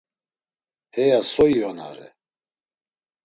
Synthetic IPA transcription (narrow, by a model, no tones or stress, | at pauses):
hɛjasɔiɔna̰ɾɛ̰